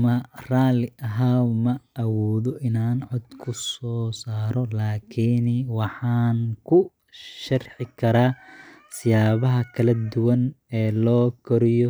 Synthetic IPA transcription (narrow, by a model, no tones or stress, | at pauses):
mɐraːlɪʔɐɦaːmɐʔɐwɔːðɔʔɪnaːnʕɔd̪kʰʊsɔːsaːɾɔlaːkʰiniwɑħɑːnkʰʊ | ʃɐrħɪkʰɐɾaːsɪjaːβɐɦɐkʰɐlɐd̪ʊwɐnɛːlɔːkʰɔɾɪjɔ